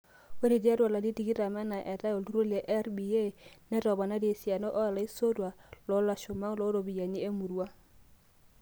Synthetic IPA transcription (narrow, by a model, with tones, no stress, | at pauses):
we˦ɾi˨dja˦dwa˨la˨di˦ti˨ki˦ɾa˨ma˦na˨ʔɛ˨ta˦o˨ldu˦ɾo˦lɛ˨ʔɛ˦ɾbi˨je˦nɛ˦ɾɔ˨ba˨na˦de˨sja˨nɔ˦ʔɔ˦a˨la˨i˦so˦dwa˨lɔ˨˦la˨ʃo˨ma˦ŋlɔ˨˦ɾo˨bi˨ja˨ɲi˦e˦mu˨ɾwa˦